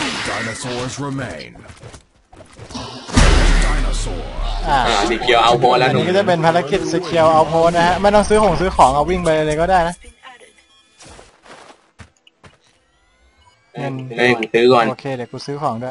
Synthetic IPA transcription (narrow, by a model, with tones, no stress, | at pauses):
d̥aɪnəsɔzɹɪmẽɪ̃n | zdaɪnəsɔ̰ʔaː˨˩a˧˨ni˧˩kʰi˧əwʔa˧wpʰo˦˥lɛ˦˥ani˦˥kɔ˥˩t͡ɕa˨˩pe˧npʰaː˧la˧˥ki˨˩t̪̚si˧˩kʰi˧ə˧wʔa˧wpʰoː˦˥t̪̚na˦˥kʰa˦˥ʔma˥˩jt̪ɔ˥˩ŋsɯː˦˥kʰo˨˩˦ŋsɯː˦˥kʰɔː˩˦ŋʔa˨˩wi˥˩ŋpa˧jlɤ˧jlɤː˧jkɔː˥˩daː˥˩jna˦˥ʔ | ma˧na˧˩u˧˩sɯː˦˥kɔː˨˩noː˧kʰeː˧dɛ˨˩əkuː˧sɯː˦˥kʰɔː˩˦ŋdu˥˩˨j